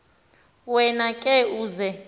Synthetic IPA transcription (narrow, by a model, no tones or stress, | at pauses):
wɛnakʼɛuːzɛ